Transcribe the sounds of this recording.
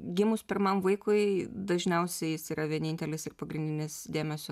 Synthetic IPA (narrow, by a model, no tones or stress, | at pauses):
ɡʲɪmʊspʲɪɾmɐmʋɐɪkʊɪd̪ɐʒʲnʲɛʊsʲɛɪjɪsiːɾɐʋʲiɛnʲɪnʲt̪ʲɛlʲɪsɪrpɐɡɾʲɪnʲd̪ʲɪnʲɪsd̪ʲeːmʲɛsʲo